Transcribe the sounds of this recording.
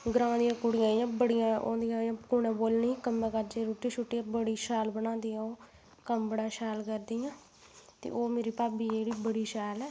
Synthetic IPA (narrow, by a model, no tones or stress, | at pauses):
ɡɾãːd̪ɪjãːkʊɽɪjãːjãːbəɽɪjãːo̰ːd̪ɪjãːjãːkuːnɛ̃ːboːlniːkəmːɛ̃ːkaːɾd͡ʒeːɾoːʈiːʃʰʊʈːiãːbəɽiːʃaːlbənãːd̪iːãːoː | kəmbəɽãːʃaːlkəɾd̪iːjãː | t̪ḛːʔoːmeːɾiːpaːbiːeːɽiːbəɽiːʃaːlɛː